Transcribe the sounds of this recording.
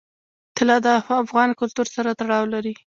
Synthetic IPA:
t̪ɪlɑd̪əafafɣɑnkʊlt̪uɾsaɾat̪aɽɑwlaɾi

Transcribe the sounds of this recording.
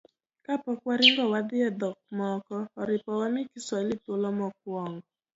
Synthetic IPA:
kapɔkwaɾɪŋɡɔwad̪ɪɛd̪ɔk̚mɔkɔːɾɪpɔwamɪkɪswalitolɔmɔk̚wɔŋɡɔ

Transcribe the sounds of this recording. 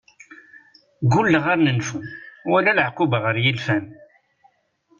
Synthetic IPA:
ɡulːʁaɾnənfunwælælʕqːʊbʁəɾjilfæn

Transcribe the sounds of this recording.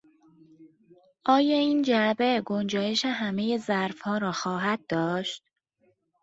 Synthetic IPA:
ʔɒːjɒːiːnd͡ʒæbeɡo̞nd͡ʒɒːje̞ʃeɦæme̞je̞zæɾfhɒːɾɒːxɒːɦæd̪̚d̪ɒːʃt̪̚

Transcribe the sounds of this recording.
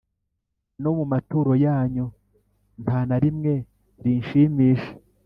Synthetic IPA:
nomumatuːɾo̞jaːɲu | npʰaːnaɾimŋe̞ | ɾinʃiːmiːʃe̥

